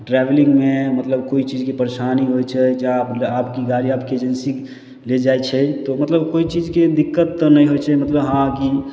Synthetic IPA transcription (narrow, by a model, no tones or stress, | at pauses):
ʈɾɛbelĩŋɡmemət̪ləbkoit͡ʃid͡ʒkepəɾesaniɦojt͡ʃʰɛd͡ʒapapkiɡaɾiapkeed͡ʒənsi | led͡ʒajt͡ʃʰɛt̪ɔmət̪ləbkoit͡ʃid͡ʒked̪ikːət̪ːnəjɦojt͡ʃʰɛmət̪ləbɦãki